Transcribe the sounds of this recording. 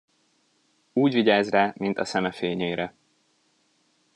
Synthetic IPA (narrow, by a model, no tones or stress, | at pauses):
uːɟviɟaːzraːmint̪ɒsɛmɛfeːɲeːɾɛ